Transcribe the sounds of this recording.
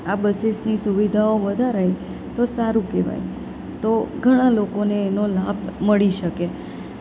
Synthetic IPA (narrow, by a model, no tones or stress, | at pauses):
abəsesnisuʋid̪ʱaoʋəd̪ʱaɾəj | t̪osaɾũkɛʋa̰j | t̪oɡʱəɽ̃alokoneːnolabməɭiʃəke